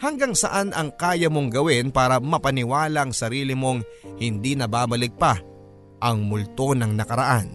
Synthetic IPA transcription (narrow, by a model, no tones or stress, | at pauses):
hɐŋɡaŋsɐʔanʔɐŋkaːjɐmo̞ŋɡɐwɪnpaːɾɐmɐpɐnɪwaːlɐŋsɐɾiːlɪmo̞ŋhɪnd̪inɐbaːbɐlɪɡ̚pɐ | ʔɐŋmʊlt̪o̞nɐŋnɐkɐɾɐʔan